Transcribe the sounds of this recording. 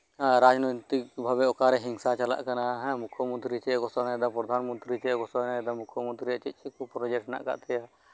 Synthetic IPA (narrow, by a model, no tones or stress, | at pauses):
ɾad͡ʒnɔt̪ik̚bʱabɛɔkaɾɛɦiŋsat͡ʃala̰ʔkanaɦɛ̃mukʰjɔmɔnt̪ɾit͡ʃɛɡɔsɔnad̪apɾɔd̪ʱanmɔnt̪ɾit͡ʃɛɡɔsɔnad̪amukʰjɔmɔnt̪ɾiat͡ʃit̪̚ˀt͡ʃikupɾɔd͡ʒɛʈna̰ʔka̰ʔt̪ɛja